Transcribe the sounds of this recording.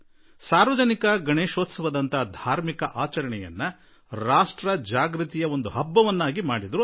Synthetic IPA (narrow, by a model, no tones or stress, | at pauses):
saːɾʋɐd͡ʒɐnikɐɡɐɳeːʃoːt̪sɐʋɐd̪ɐnt̪ɐd̪ʱaːɾmikɐʔaːt͡ʃɐɾɐɳɛjɐ̰nːɐ | ɾaːʂʈɾɐd͡ʒaːɡɾit̪ijɐo̞nd̪uɦɐbːɐʋɐnːaːɡimaːɽid̪ɐɾu